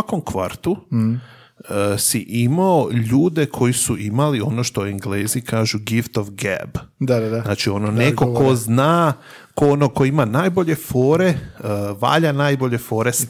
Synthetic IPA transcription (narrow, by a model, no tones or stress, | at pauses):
akomkʋa̰ɾt̪u | siʔimaoʎuːd̪e̞kʰo̞jisuʔimalio̞noʃt̪oeŋɡleːzikʰaːʒuɡift̪oʋɡɛ̰bd̪anaːt͡ʃio̞nonekoko̞znaː | koonokoimanaːjboʎe̞foːɾeʋa̰ːʎanaːjboʎe̞fo̞ːɾes